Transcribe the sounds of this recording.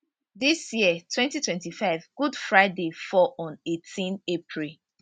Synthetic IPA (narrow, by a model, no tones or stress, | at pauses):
disjiətʰwɛ̃ntitwɛ̃ntifaɪvɡ̥udfɹaɪdefɔʔɔ̃netʰĩnepʰɹil